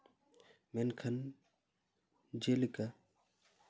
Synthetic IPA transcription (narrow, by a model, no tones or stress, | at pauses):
menkʰɐn | d͡ʒelika